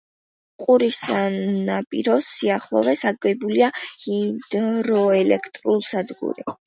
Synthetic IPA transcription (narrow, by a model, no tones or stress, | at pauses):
qʼuɾisanapʼḭɾɔsiaχlˠɔ̰vɛsaɡɛbuliahid̪ɾɔɛlɛkʰt̪ʼɾulˠsad̪ɡṵɾi